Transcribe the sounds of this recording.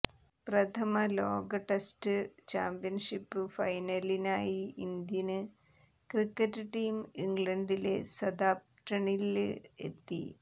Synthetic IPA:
prɐt̪ʰɐmɐloːɡɐʈestɨt͡ɕaːmpijɐnʂipːɨfɐjnɐlinaːjiind̪jɐnɨ | krikːɐtːɨʈːiːmiŋɡɭɐɳɖile̞sɐd̪aːp̚ | ʈɐɳilḛt̪ːḭ

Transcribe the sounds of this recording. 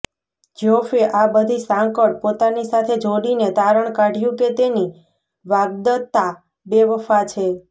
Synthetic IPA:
d͡ʒofeʔabəd̪ʱisãŋkəɽ̚pot̪anisat̪ʰed͡ʒoɽinet̪aɾəɳkaɖʱjũket̪eni | ʋaɡ̚d̪ət̪ːa | beʋəfat͡ʃʰe

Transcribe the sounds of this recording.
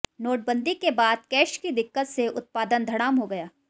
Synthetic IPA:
noːʈ̚bə̃nd̪ɪkːebaːd̪̚kɛːʃkid̪ɪkːət̪seʔʊt̪̚paːd̪ənd̪ʱɐɽ̃aːmɦoɡɐjaː

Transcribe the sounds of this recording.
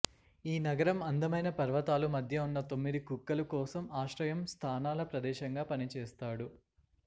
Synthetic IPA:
iːnɐɡɐɾɐmɐnd̪ɐmɐjnɐpɐɾʋɐt̪aːlumɐd̪ʱjɐunːɐt̪o̞mːid̪ikukːɐlukɔːsɐmaːʃɾɐjɐmst̪ʰaːnaːlɐpɾɐd̪ɛːʃɐŋɡaːpɐnit͡ʃɛːst̪aːɽu

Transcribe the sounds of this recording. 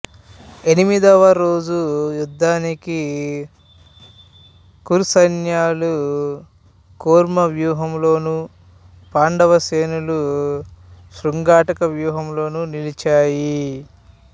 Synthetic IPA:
e̞nimid̪ɐʋɐɾo̞ːd͡ʒujud̪ʱːaːniki | kuɾusɐnjaːlu | koːɾmɐʋjuːɦɐmlo̞ːnu | paːɳɖɐʋɐseːnulu | ʃɾuŋɡaːʈɐkɐʋjuːɦɐmlo̞ːnunilit͡ʃaːji

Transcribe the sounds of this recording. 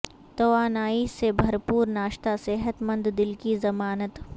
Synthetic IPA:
t̪ɐʋaːnaːisebʱɐɾpuːɾnaːʃt̪aseɦət̪mɐ̃nd̪d̪ɪlkizɐmaːnət̪

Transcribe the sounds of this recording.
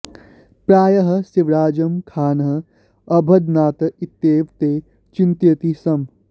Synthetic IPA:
pɾaːjɐɦɐ̆siʋɾaːd͡ʒɐmkʰaːnɦɐ̆ | ɐbʱɐd̪naːt̪ɐit̪ːeːʋt̪eː | t͡ʃint̪jɐt̪isɐm

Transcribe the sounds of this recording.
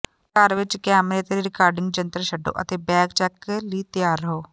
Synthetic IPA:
kəɾʋɪt͡ʃkɛːmɾeːt̪eːɾiːɾɪkaːɾɖɪŋɡ̚d͡ʒənt̪əɾʃəɖːo̰ːʔə̰t̪eːbɛːkt͡ʃɛːkliːt̪ɪjaːɾːəɦoː

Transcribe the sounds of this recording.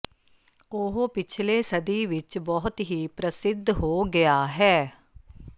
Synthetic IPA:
oɦpɪt͡ʃʰleːsəd̪iːʋɪt͡ʃbɔːʊt̪ɦiːpɾəsɪd̪ʱɦoːɡɪaːɦɛː

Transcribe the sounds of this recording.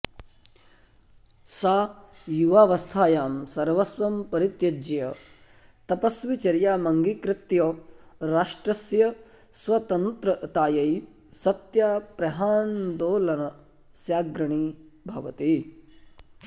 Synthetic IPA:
saː | juʋaːʋɐst̪ʰaːjaːmsɐɾʋɐsʋɐmpɐɾit̪jɐd͡ʒɐjɐ | t̪ɐpɐsʋit͡ʃɐɾjaːmɐŋɡikɾɪt̪joːɾaːʂʈɾɐsjɐ | sʋɐt̪ɐnt̪ɾɐt̪aːjɐj | sɐt̪jaːpɾɐɦaːnd̪oːlɐnɐ | sjaːɡɾɐɳ̃iːbʱɐʋɐt̪i

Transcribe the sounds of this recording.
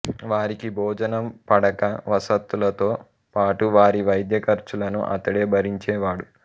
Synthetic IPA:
ʋaːɾikibʱɔːd͡ʒɐnɐmpɐɽɐkɐʋɐsɐt̪ːulɐt̪o̞ː | paːʈuʋaːɾiʋɐjd̪jɐkɐɾt͡ʃulɐnṵʔɐ̰t̪ːɐɽeːbʱɐɾiɲt͡ʃɛːʋaːɽu

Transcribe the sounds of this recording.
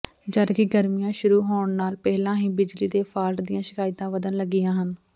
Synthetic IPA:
d͡ʒəɾkɪɡəɾmɪjãːʃʊɾuːɦoːɳnaːlpɛːlãːɦĩːbɪd͡ʒliːd̪eːpʰaːɾʈd̪ɪjãːʃɪkaːɪt̪ãːʋəd̪ənləɡːɪjãːɦən

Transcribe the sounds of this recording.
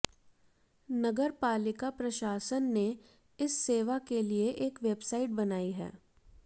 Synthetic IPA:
nɐɡəɾpaːlɪkapɾɐʃaːsənːe | ɪsːeːʋakelieʔeːkʋeːbsaːɪʈ̚bɐnaːiɦɛ̰ː

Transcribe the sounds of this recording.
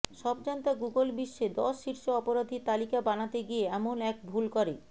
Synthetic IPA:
ʃɔbd͡ʑant̪aɡuɡolbiʃːed̪ɔʃːiɾʃoɔpoɾad̪ʱit̪alikabanat̪eɡieɛmonɛk̚bʱulkoɾe

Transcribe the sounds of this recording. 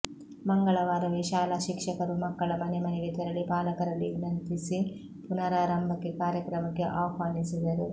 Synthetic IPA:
mɐŋɡɐɭɐʋaːɾɐʋeʃaːlaːʃikʂɐkɐɾumɐkːɐɭɐmɐnemɐneɡet̪ɐɾɐlːipaːlɐkɐɾɐlːiunɐnt̪isi | punɐɾaːɾɐmbʱɐkːekaːɾjɐkɾɐmɐkːe̞ʔaːɦʋaːnisid̪ɐɾu

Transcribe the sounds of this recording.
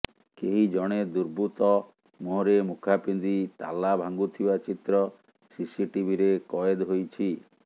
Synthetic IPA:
keɦid͡ʒɔɽ̃ed̪uɾbut̪ɔ | moɦɾemukʰapind̪it̪a̰labʱaŋɡut̪ʰibat͡ʃit̪ɾɔ | sisiʈibʱiɾekɔjed̪ɦojt͡ʃʰi

